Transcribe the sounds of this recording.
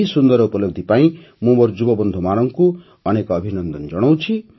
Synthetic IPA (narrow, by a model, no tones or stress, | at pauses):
isund̪ɔɾupɔloɡ̚d̪ʱipaĩ | mũbɔɾd͡ʒubɔbɔnd̪ʱumañɔŋku | ɔnekɔːbʱinɔnd̪ɔnd͡ʒɔɽ̃owt͡ʃʰi